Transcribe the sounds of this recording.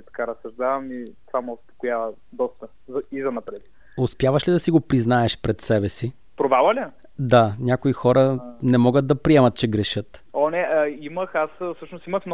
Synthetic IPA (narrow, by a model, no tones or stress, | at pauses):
it̪ɐ̥kaɾɐsɐʒd̪avɐmit̪ovamɛʊspo̥kojavə | d̪ɔst̪ə | zɐizɐnɐpɾɛt̪i | ʊspʲjavɐʃlid̪ɐsiɡopɾiznaɛʃpɾɛt̪sɛbɛsi | pɾovavɐlʲə | d̪anʲakoixɔɾənɛmɔɡəd̪̚d̪ɐpɾiɛmɐt̪̚t͡ʃɛɡɾɛʃɤt̪ | onɛiməxasfsɤʃnost̪iməxn